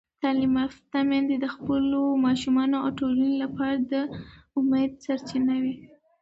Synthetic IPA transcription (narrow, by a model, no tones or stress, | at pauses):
t̪ɑlimaft̪ːamɑnd̪ed̪əxpəlomɑʃumɑnoa̰wʈolənelapɑɾad̪əʊmed̪̚saɾt͡ʃinawi